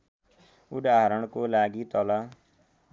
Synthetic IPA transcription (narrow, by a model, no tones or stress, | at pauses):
ud̪aɦɾʌɽ̃kolaɡit̪ʌla